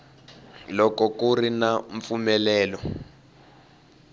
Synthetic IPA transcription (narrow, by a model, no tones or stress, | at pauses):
lɔkɔkurinaɱfumɛlɛːlɔ